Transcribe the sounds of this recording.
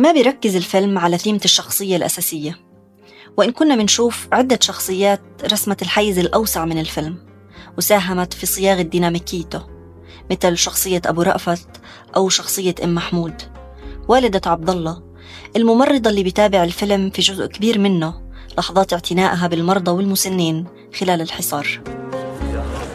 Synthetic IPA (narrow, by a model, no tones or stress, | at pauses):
mabɪjɾˤɑkːɪzɪlfɪlmʕalaθiːmaʃːɑxsˤɨjːalʔa̰saːsɪjːa | wɪʔɪnkʊnːabɪnʃuːfʕɪd̪ːaʃɑxsˤɨjːaːt̪ɾˤɑsmat̪ɪlħajːɪzɪlʔawsaʕmɪnɪlfɪlm | wsaːɦamat̪fisˤɨjɑːɣad̪ːiːnaːmikɪjːt̪ʊ | mɪt̪lʃɑxsˤɨjːaʔa̰buːɾˤɑ̰ʔfat̪ | ʔawʃɑxsˤɨjːaʔɪmːaħmuːd̪ | waːlɪd̪aʕɑb̚d̪ɑlˤːɑ | ʔɪlmʊmɑrˤːɑd̪ˤɑlːiːbɪjt̪aːbɪʕɪlfɪlmfiʒʊzʔkabiːɾmɪnːʊlɑħɑðˤɑːt̪ɪʕt̪ʰɪnaːʔɦabɪlmɑɾˤd̪ˤɑwɪlmʊsanːiːn | xɪlaːlɪlħɨsˤɑːɾˤ